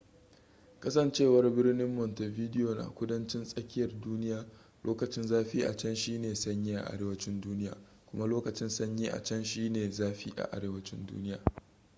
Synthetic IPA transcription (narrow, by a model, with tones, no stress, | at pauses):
kɐ˦sɐ˨nt͡ʃeː˦˨wɐ˨rbɪ˦rnɪ˦mːɔ˨nte˨viː˦dɪ˦joː˨na̰ː˨kʷʊ˦dɐ˦nt͡ʃɪ˦nsʼɐ˦kʲɪ˦jɐ˨rduː˦nɪ˦jaː˨ | lʔoː˦kɐ˨t͡ʃɪ˦nzaː˦ɸiː˦ʔa̰˨t͡ʃɛ˦nʃiː˦neː˨sɐ˦ɲjiː˦ʔa̰˨ʔa̰˦ɾeː˦wɐ˦t͡ʃɪ˦nduː˦nɪ˦ja̰ː˨ | kʷʊ˦ma˦loː˦kɐ˨t͡ʃɪ˦nsɐ˦ɲji˦ʔa̰˨t͡ʃɛ˦nʃiː˦neː˨zaː˦ɸiː˦ʔa̰˨ʔa̰˨ɾeː˦wɐ˦t͡ʃɪ̰˦ndṵː˦nɪ˦ja̰ː˨